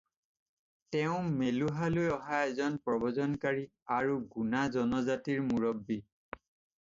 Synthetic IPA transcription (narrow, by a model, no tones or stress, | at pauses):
tɛʊ̃meluɦalojɔɦaɛzɔnpɹɔbɔzɔnkaɹiaɹuɡunazɔnɔzatiɹmuɹɔbːi